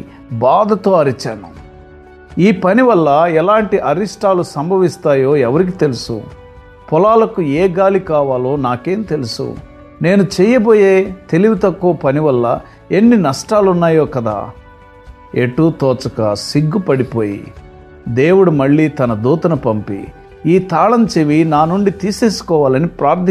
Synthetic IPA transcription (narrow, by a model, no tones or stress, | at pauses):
baːd̪ʱɐt̪o̞ːɐɾit͡ʃaːnu | iːpɐniʋɐlːɐɛlaːɳʈiʔɐɾiʂʈaːlusɐmbʱɐʋist̪aːjo̞ːɛʋɐɾik̬it̪e̞lusṵ | pɔlaːlɐkuɛːɡaːlikaːʋaːlo̞ːnaːke̞ːmit̪e̞lusṵ | ne̞ːnut͡ʃɛjɐbo̞ːjeːt̪e̞liʋit̪ɐkːuɐpɐniʋɐlːɐ̰ | enːinɐʂʈaːlunːaːjo̞ːkɐd̪a̰ː | eʈːuːt̪ɔːt͡ʃɐkɐ̰siɡːupɐɽipo̞ːjḭ | d̪e̞ːwuɽumɐɭːiːt̪ɐnɐd̪uːt̪ɐnɐpɐmpḭ | iːt̪aːlɐmt͡ʃeʋinaːnuɳɖit̪iːse̞ːsu̥kɔːʋaːlɐnipɾaːɾt̪ʰi